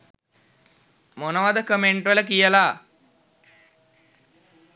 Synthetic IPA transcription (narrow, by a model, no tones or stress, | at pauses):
monəʋad̪əkəmeɳʈʋələkijəla